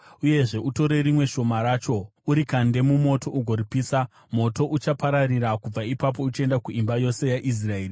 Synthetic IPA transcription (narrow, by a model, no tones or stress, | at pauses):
uje̞ʐe̞ʔuto̞ɾe̞rimwe̞ʃo̞maɾaːt͡ʃo̞uɾikande̞mumo̞to̞ʔuɡʱo̞ripiːsa | mo̞to̞ʔut͡ʃapaɾarirakub͡vaipap̬o̞ut͡ʃae̞ndakuʔimbajo̞se̞jaʔis̬rae̞ːri